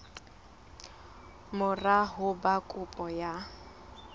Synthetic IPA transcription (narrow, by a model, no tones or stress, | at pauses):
mʊraɦʊbakʼʊpʼɔja